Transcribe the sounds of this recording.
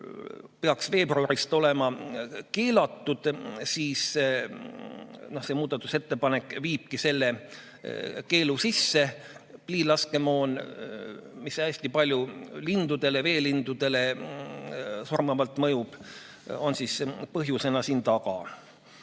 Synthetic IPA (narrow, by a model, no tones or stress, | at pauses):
peɑksve̞ːbruɑɾist̪o̞le̞mɑke̞ːlɑt̪ːud̪̥siːs | no̞hse̞muːd̪̥ɑt̪ːˑu̥se̞t̪ːe̞pɑne̞kːviːb̥̚kise̞lːe̞ | ke̞ːlusisːe̞pliːlɑske̞moːn | misæsʲt̪ipɑlʲjulind̪̥ud̪̥e̞le̞ve̞ːlind̪̥ud̪̥e̞le̞ | surmɑvɑlt̪mɤjub̥ | o̞nsispɤɦjuse̞nɑsiːnt̪ɑɡɑ̰